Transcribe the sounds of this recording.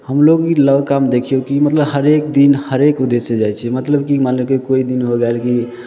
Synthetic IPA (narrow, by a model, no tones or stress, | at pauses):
həmloɡiləɡkamd̪ekʰijokimət̪ləbhəɾek̚d̪inhəɾekud̪esed͡ʒajt͡ʃʰɛmət̪ləbkimaləbkekoid̪inɦoɡɛelki